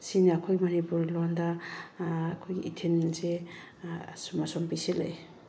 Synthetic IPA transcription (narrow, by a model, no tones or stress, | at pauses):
siniakʰojmanipuɾlɔndaː | kʰojɡiitʰennse | sɔmasɔmpisilaj